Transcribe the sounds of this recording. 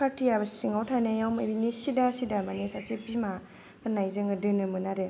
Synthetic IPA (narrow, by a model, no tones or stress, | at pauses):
pʰatʰijabɯsiŋawtʰajnajawmabinisidasidamanesasebima | ɯnajzɯŋɡɯdɯnɯmɯnaɾe